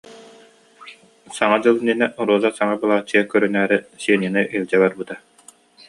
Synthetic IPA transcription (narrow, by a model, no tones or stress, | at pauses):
saŋad͡ʑɯlˠninɛʔɔɾuɔzasaŋabɯlˠaːt͡ɕːiɛkœɾynæːɾisiɛninɯʔilʲd͡ʑɛbaɾbɯt̪a